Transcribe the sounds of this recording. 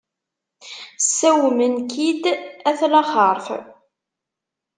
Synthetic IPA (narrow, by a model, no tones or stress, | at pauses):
sːæwmənkid̪æθlɑχəɾˤθ